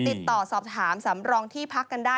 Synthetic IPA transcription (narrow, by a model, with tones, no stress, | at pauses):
t̪i˨˩t̪ːɔː˨˩sɔː˨˩p̚t̪ʰaː˩˦msa˩˦mɾɔː˧ŋt̪ʰiː˥˩pʰa˦˥kːa˧ndaː˥˩